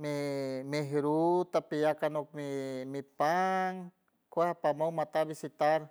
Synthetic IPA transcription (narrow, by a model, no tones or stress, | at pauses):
memeɦɾut̪apijakanok̚mimipaŋ | kehapamawmat̪abisit̪aɾ